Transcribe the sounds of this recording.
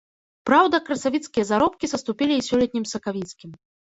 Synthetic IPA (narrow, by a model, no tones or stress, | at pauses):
pɾawd̪ɐkɾɐsavʲit̪skʲijɐzaɾɔpkʲizɐst̪upʲilʲiːsʲɔlʲɛt̪̚ʲnʲimsɐkavʲit̪skʲim